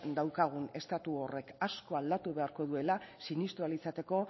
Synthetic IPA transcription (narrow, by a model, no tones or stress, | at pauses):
d̪awkaɣ̞une̞st̪at̪uo̞re̞kasko̞ald̪at̪uβe̞aɾko̞ðue̞lasinist̪ualit͡sat̪e̞ko̞